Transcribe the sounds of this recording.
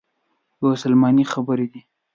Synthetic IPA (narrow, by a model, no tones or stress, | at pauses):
jwsalmɑnixabəɾed̪i